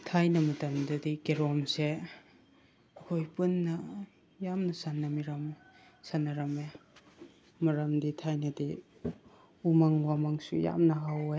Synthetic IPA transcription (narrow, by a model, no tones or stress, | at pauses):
tʰajnɐmɐtɐmdɐdikeɾɔmse | kʰojpunːɐ | jamnɐsanːɐmiɾam | sanːɐɾɐme | mɐɾamditʰajnɐdi | umaŋwamaŋsṵja̰mnɐɦawe